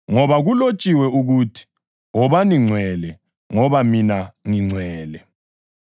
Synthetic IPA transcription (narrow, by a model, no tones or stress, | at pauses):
ŋɔβaɣulot͡ʃʼiwɛuɣuːtʰi̥ | ɔβaniŋ͡ǀʱwɛlɛ | ŋɔβaminaŋiŋ͡ǀʱwɛːlɛ